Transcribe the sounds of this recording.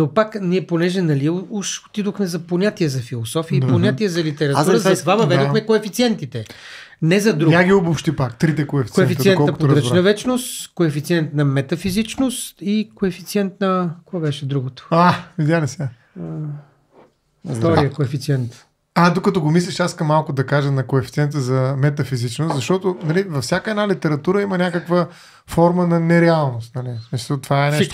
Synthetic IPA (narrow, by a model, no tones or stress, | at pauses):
nopakniɛponɛʒɛnɐliuʃo̥t̪id̪oxmɛzɐponʲat̪iɛzɐfilˠosɔfiəiponʲat̪iɛzɐlit̪ɛɾɐt̪uɾəzɐt̪ovavɐvɛd̪oxmɛkoɛfit̪siɛnt̪it̪ɛ | nɛzɐd̪ɾuɡaɡiubʊfʃt̪ipakt̪ɾit̪ɛkoɛfi̥koɛfit̪iɛntkɔɐkpod̪ɾənɐvɛt͡ʃnost̪koɛfit̪siɛnt̪nɐmɛt̪ɐfizit͡ʃnost̪ikoɛfit̪siɛnt̪nɐkabɛʃɛd̪ɾuɡot̪ʊ̥avid̪ʲjalisɛ | ɔɾiəkoɛfit̪siɛnt̪ | ad̪okɐt̪ɔɡomis̬lʲiʃaskɐmːalˠkʊd̪ɐkaʒənɐkoɛfi̥t̪siɛnt̪əzɐmɛt̪ɐfizit͡ʃnʊst̪zɐʃt̪ɔt̪ʊnɐlivɐfsʲjakəɛdnalit̪ɛɾɐt̪uɾəimənʲakəkvə | fɔɾmənɐnɛɾɛalˠnʊst̪nɐlismisəlˠt̪ovaɛnɛʃt̪